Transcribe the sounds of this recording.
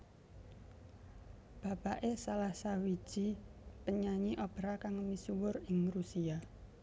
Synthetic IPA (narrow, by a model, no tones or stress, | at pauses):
b̥a̤paʔesalahsawi̥ʒ̥ipəɲaɲiʔɔb̥ɾakaŋmisuwʊrɪŋrusia